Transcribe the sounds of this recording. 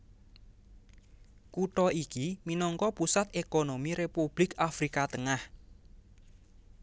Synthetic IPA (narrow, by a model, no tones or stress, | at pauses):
kuʈɔikiminɔŋkɔpusat̪̚ʔekonomiɾepub̥lɪkafɾikat̪əŋah